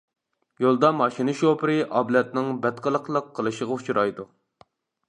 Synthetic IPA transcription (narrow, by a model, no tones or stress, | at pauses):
jolˠd̪ɑmɑʃinɨʃopɨɾɨʔɑblɛt̪̚nɪŋbɛt̪qəlˠəqlˠəqʰːəlˠɨʃəʁɑut͡ʃʰuɾɑjd̪u